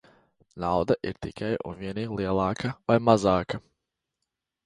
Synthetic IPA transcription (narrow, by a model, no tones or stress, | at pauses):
nawd̪aʔḭɾt̪ikʰajṵnviɛnʲiːɡlˠiɛlˠɑːkɐvajmazaːka